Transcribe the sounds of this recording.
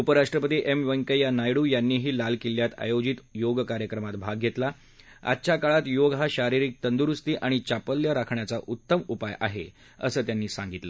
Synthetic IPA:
upəɾaʂʈɾəpət̪iːʔemʋəŋkəjanajɽuːjanːiːɦiːlalkiljat̪a̰jod͡ʑit̪joɡkaɾjəkɾəmat̪bʱaɡʱːjet̪la | a̰t̪ːt͡ɕakaɭat̪joɡɦaɕaɾiɾiːk̚t̪ənd̪uɾust̪iːʔaɽ̃it͡ɕapəljəɾakʰɳjat͡saʔut̪ːəmupajʔa̰ɦe | ə̰səːt̪janːiːsãŋɡit̪lə

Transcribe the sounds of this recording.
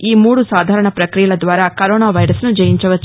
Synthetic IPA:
iːmuːɽusaːd̪ʱaːɾɐɳɐpɾɐkɾijɐɭɐd̪ʋaːɾɐkɐɾɔːnaːʋɐjɾɐsnud͡ʒɐjiɲt͡ʃɐʋɐ

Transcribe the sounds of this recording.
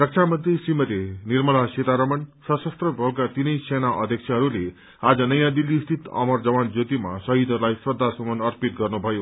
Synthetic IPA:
rʌk̚t͡sʰamʌnt̪risimʌt̪enirmʌɭaset̪aɾʌmʌnsʌsʌst̪rʌbʱokːat̪inʌjsenaʔʌ̰d̪ʱjʌk̚t͡sʰaɦʌɾule | ad͡zʌnʌjãd̪ilːist̪ʰit̪ʌ̰mʌrd͡zʌwand͡zot̪ima̰sʌɦid̪ʱʌɾulajsrʌd̪ʱːasʌmʌnʌrpit̪̚ɡʌrnubʱʌjo

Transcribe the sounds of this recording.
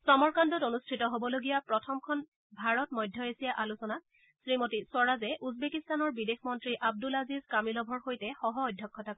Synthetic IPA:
sɔmɔɹkandɔtonustʰitɔɦobɔloɡijapɹɔtʰɔmkʰɔn | bʱaɹɔtmɔjdʱjɔesijaʔalusɔna | sɹimotisɔɹazɛʔuzbekistanɔɹbidexmɔntɹiʔab̚dulazizkamilɔbʱɔɹxojtɛxɔɦɔːjdʱjɔkʰːɔtak

